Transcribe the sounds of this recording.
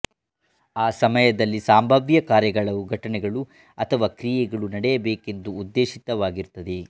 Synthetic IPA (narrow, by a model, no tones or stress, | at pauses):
aːsɐmɐjɐd̪ɐlːisaːmbʱɐʋjɐkaːɾjɐɡɐɭɐʋuɡʱɐʈɐnɛɡɐɭu | ɐt̪ʰɐʋaːkɾijɛɡɐɭunɐɽɛjɐbeːke̞nd̪uːd̪ːe̞ːʃit̪ɐʋaːɡiɾt̪ːɐd̪e